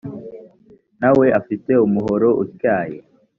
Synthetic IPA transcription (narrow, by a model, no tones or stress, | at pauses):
nawe̞ʔafite̞umuɦo̞ɾo̞ʔṵtkjaːjḛ